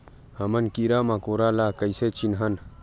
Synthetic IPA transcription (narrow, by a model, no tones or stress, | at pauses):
hɐmɐnkiɾaːmãkoɾaːlaːkəjset͡ʃinɦɐn